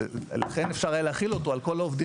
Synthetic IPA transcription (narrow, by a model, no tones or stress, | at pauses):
la̰χe̞nefʃaʁajaleaχilo̞t̪oalko̞laovd̪i